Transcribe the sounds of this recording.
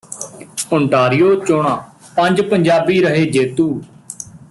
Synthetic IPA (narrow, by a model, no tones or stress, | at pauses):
əɳʈaːɾɪjoːt͡ʃoːɽãː | pə̃ɲd͡ʒpəɲd͡ʒaːbiːɾəɦeːd͡ʒeːt̪uː